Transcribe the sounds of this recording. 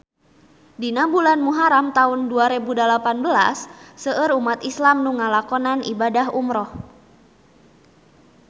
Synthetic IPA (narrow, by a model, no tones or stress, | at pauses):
dinabulanmuɦaɾamt̪aunduaɾebudalapanbəla̰sːəəɾumat̪islamnuŋalakɔnanḭbadaɦumɾɔh